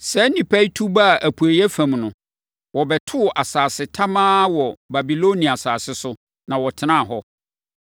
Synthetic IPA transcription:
sɛ˦nĩ˨pʰæ˦i˦tʰu˦ba˦a˨ʔæ˨pʰu˨æ˨jæ˦fã˨mnʊ̃˨ | wɔ˨bɛ˨tʰʊ˦˨ʔa˨saː˨sɪ˨tʰa˦mãː˦wɔ˨ba˨bi˨lo˦nĩ˨a˨saː˨sɪ˦sʊ˦ | nã˨wɔ˨tʰɪ˨nã˦˨ɦɔ˦

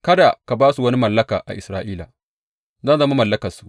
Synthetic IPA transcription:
kɐ˦da˨ka˨baː˦su˨wɐ˦ni˦mɐ˨lːɐ˦kaː˨ʔa̰˨ʔɪ˨sɾaː˦ʔiː˦la˨ | za˦˨zɐ˦ma˦mɐ˨lːɐ˦kɐ˨rsu̥˦ʔ

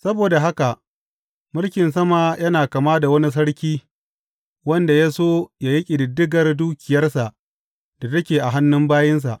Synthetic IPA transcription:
sɐ˦boː˨da˨ɦa˦ka˨ʔ | mʊ˦lkʲɪ˨nsɐ˦ma˨jɐ˦naː˨kaː˨maː˦da˨wɐ˦ni˦s̬ɐ˦ɽkʲiː˦ | wɐ˦nda˨jaː˦soː˦jaː˦ji˦kʲʼɪ˨dɪ˨dːɪ˦ɡɐ˨rduː˦kʲɪ˨jɐ˦rsa˨ʔ | d̥a˨tɐ˦kʲeː˨ʔa˨ɦa˦nːʊ˦mbaː˦jɪ˦ns̬a̰˨ʔ

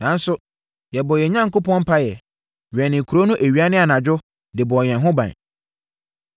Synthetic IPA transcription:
nã˨˦n̩˦sʊ˦ | jɛ˨bɔ˨jɛ˨ɲã˦ŋ˨kʊ˦pʰɔ̃˦m̩˦pʰa˦jɛ˨ | ɥɛ˨nɪ̃˨kʰu˨ɾo˦nʊ̃˦ʔæ˨ɥi˨˦a˦nɪ̃˦a˨nã˨d͡ʑʊ˦ | dɪ˨bɔ˨ɲɛ̃˨nɦʊ̃˦bã̰˨

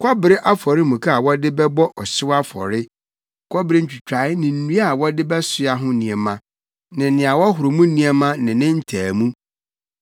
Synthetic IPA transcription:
kʰɔ˦bɪ˨ɾɪ˦ʔa˦fɔ˨ɾɪ˦mũ˨kʰa˦a˨wɔ˦dɪ˦bɛ˦bɔ˦ʔɔ˨sɪ˦wa˦fɔ̰˨ɾɪ˦ | kʰɔ˦bɪ˨ɾɪ˦ɲ̩˦t͡ɕᶣi˨t͡ɕᶣa˨ɪ˦nɪ̃˨n̩˨nũ˦a˦˨wɔ˦dɪ˦bɛ˦sʊ˨a˨ɦʊ̃˦nĩ˨ɛ˨mã˨ | nɪ̃˨nɪ̃˨a˨wɔ˦ɦʊ˨ɾʊ˨mũ˦nĩ˦ɛ˦mã˦nɪ̃˨nɪ̃˦n̩˦tʰæː˨mũ˦

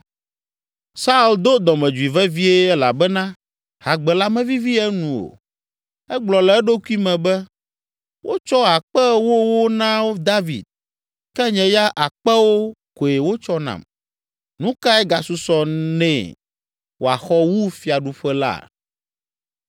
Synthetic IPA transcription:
sa˦u˦˨ld̪o˦d̪ɔ˨mɛ̃˨d͡ʒu˨i˨vɛ˦vi˦e˦ɛ˦la˨bɛ˦nã˦ | ha˨ɡ͡bɛ˨la˦mɛ̃˦vi˦vi˦ɛ˦nũ˨o̰˨ | ɛ˦ɡ͡blɔ˨lɛ˨˦ɛ˦ɖo˦ku˦i˦mɛ̃˨bɛ˦ | wʔo˦t͡ʃɔ˦a˨k͡pɛ˦wo˦wo˦nã˦wo˦d̪a˦vḭ˨d̪̚ | kɛ˦ɲɛ̃˨ja˦ʔa˨k͡pɛ˦wo˦ko˨je˨wo˦t͡ʃɔ˦nã̰˨m | nũ˦ka˦ɛ˦ɡa˨su˦sɔ˨nɛ̰̃˦˨ | wo˨a̰˨xɔ˦wu˦fi˨a˨ɖu˦ɸɛ˦la̰˦˨

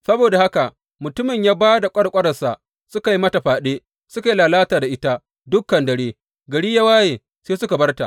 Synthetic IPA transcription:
sɐ˦boː˨da˨ha˦ka˨ʔ | mʊ˨tʊ˦mɪ˨ɲjaː˦baː˦da˨kʷʼɐ˦ɽkʷʼɐ˦ɽɐ˨sa˨ʔ | sʊ˦ka˨ji˦mɐ˦ta˨ɸaː˨ɗe˦ | sʊ˦ka˨ji˦laː˨laː˦taː˨da˨ʔɪ˦ta˦ | dʊ˦kːɐ˨ndɐ˨ɽeː˦ | ɡɐ˨ɽiː˦ja˦waː˦jeː˨ | seː˦sʊ˦ka˨bɐ˦rta̰˨ʔ

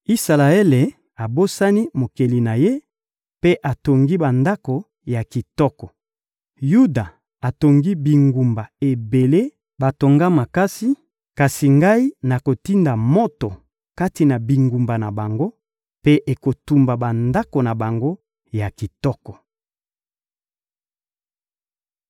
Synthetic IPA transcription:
i˦sa˨la˨e˦le˨ | a˨bo˦sa˦ni˦mo˨ke˨li˨na˨je˦ | pe˦ʔa˨to˨ŋɡi˦ba˨nda˦ko˨ | ja˨ki˨tɔ˦kɔ˨ | ju˦da˨ | a˨to˨ŋɡi˦bi˨ŋɡu˨mba˨e˨be˨le˦ | ba˨to˨ŋɡa˦ma˨ka˦si˦ | ka˨si˨ŋɡa˦i˦na˨ko˨ti˦nda˨mo˦to˨ | ka˦ti˨na˨bi˨ŋɡu˨mba˨na˨ba˨ŋɡo˦ | pe˦ʔe˨ko˨tu˨mba˨ba˨nda˦ko˨na˨ba˨ŋɡo˦ | ja˨ki˨tɔ˦kɔ˨

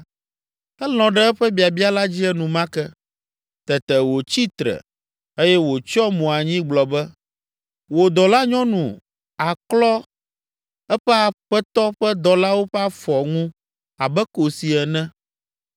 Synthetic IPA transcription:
ɛ˦l̃ɔ̃˨ɖɛ˦ɛ˦ɸɛ˦bi˨a˨bi˦a˦la˦d͡ʑi˦ɛ˦nũ˨mã˦kɛ˦ | t̪ɛ˨t̪ɛ˨wo˨t͡ɕi˦t̪ɾɛ̰˨ | e˦jɛ˦wo˨t͡ʃɔ˦mũ˨a˨ɲĩ˦ɡ͡blɔ˨bɛ˦ | wo˨d̪ɔ˨la˦ɲɔ̃˦nũ˨ | a˨klɔ˦ | ɛ˦ɸɛ˦a˨ɸɛ˦t̪ɔ˦ɸɛ˦d̪ɔ˨la˦wo˦ɸɛ˦a˦fɔ˨ŋũ˦ | a˨bɛ˦ko˨si˨ɛ˨nɛ̃˦

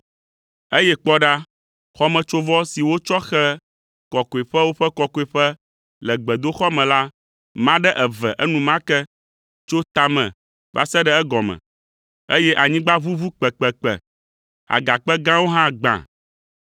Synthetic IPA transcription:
e˦jɛ˦k͡pɔ˦ɖa˦ | xɔ˦mɛ̃˨t͡ʃo˦vɔ˦si˨wo˦t͡ʃɔ˦xɛ˦ | kɔ˨ko˨i˨ɸɛ˦wo˦ɸɛ˦kɔ˨kɔ˦i˨ɸɛ˦ | lɛ˨ɡ͡bɛ˨d̪o˦xɔ˦mɛ̃˨la˦ | mã˦ɖɛ˦ʔɛ˨vɛ˨ʔɛ˦nũ˨mã˦kɛ˦ | t͡ʃo˦t̪a˨mɛ̰̃˨ | k͡pa̰˨sɛ˦ɖɛ˦ɛ˦ɡɔ˨mɛ̰̃˨ | e˦jɛ˦ʔa˨ɲĩ˦ɡ͡ba˦vu˦vu˦k͡pɛ˨k͡pɛ˨k͡pɛ̰˨ | a̰˨ɡa˨k͡pɛ˦ɡã˦wo˦ɦã˦ɡ͡bã̰˨

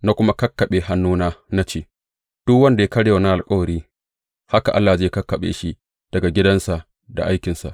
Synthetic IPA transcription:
na˦kʷʊ˦ma˦kɐ˦kːɐ˨ɓeː˨ɦa˦nːuː˦naː˦na˦t͡ʃeː˦˨ | d̥ʊ˦kwɐ˦nda˨ja˦kɐ˦ɽeː˦o˨na˦ʔa˨lkʼɐ˦wɐ˨ɽiː˦ | ha˦ka˨ʔa˦lːaː˨d͡ʒeː˦kɐ˦kːɐ˨ɓḛː˨ʃi˦ | d̥ɐ˨ɡa˨ɡʲɪ˦dɐ˦nsa˨ | da̰˨ʔa˦jkʲɪ˨nsa̰˨ʔ

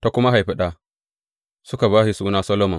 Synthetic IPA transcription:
ta˨kʊ˦ma˦ɦa˨jɸi˦ɗa˨ | su˦ka˨βa˦hi˨su˦na˦sɐ˦lo˦mɔ˨m

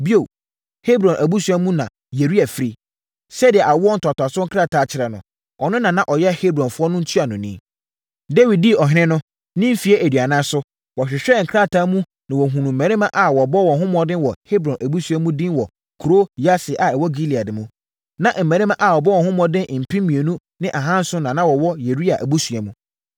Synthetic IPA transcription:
bi˦o˨ | he˦bɾɔ̃˨nʔæ˨bu˦su˨˦a˦mũ˦nã̰˨ | je˨ɾi˦æ˨fɾi˦ | sɛ˦dɪ˨ɛ˨ʔa˨wɔ˦n̩˨tʰʊ˨a˨tʊ˨a˨sʊ˦ŋ̩˦kʰɾa˦˨tʰaː˨˦˨t͡ɕʰɪ˦ɾa˨nʊ̰̃˨ | ɔ˨nʊ̃˦nã˨nã˦ʔɔ˨jɛ˦he˦bɾɔ̃˨nfʊ˦ɔ˦nʊ̃˦n̩˦tʰu˦a˨nʊ̃˨nḭ̃˦ | de˦wi˨d̚di˦˨ɔ˨ɦɪ̃˦nɪ̃˦nʊ̃˦ | nĩ˦m˦fi˨e˦ʔe˨dɥa˨nã˦sʊ˦ | wɔ˨ɕᶣɪ˨ɕᶣɛ˦˨ŋ̩˨kʰɾa˦tʰaː˨˦mũ˦ | nã˨wɔ˨ɦũ˨nũ˨m̩˨mæ̃˨ɾɪ̃˦mã˦ʔa˨wɔ˨bɔ˦wɔ̃˨ɦʊ̃˦mɔ̃˨dɪ̃˦wɔ˨he˦bɾɔ̃˨nʔæ˨bu˦sɥɛ˦mũ˦dĩ˦nwɔ˨ | kʰɾo˦ja˦sɪ˨ʔa˨ɛ˨wɔ˦ɡi˦li˨a˨dɪ˨mũ˦ | nã˨ʔm̩˨mæ̃˨ɾɪ˦mã˦ʔa˨wɔ˨bɔ˦wɔ̃˨hʊ̃˦mɔ̃˨dɪ̃˦n˨m̩˨pʰĩ˦m˦mĩ˨e˨nũ˦ | nɪ̃˦ʔa˨ɦã˦n̩˦sʊ̃˦nã˨nã˦wɔ˨wɔ˦je˨ɾi˦a˨ʔbu˦su˨a˨mũ˦

